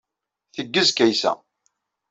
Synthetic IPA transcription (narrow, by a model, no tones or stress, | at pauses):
θəɡːəzkæjsæ̰